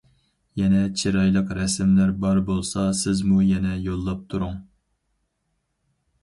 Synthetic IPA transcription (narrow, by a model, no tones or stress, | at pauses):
jɛnɛt͡ʃʰiɾɑjlˠəqɾɛsɪmlæɾbɑɾbolˠsɑsɪzmujɛnɛjolˠːɑp̚t̪ʰuɾuŋ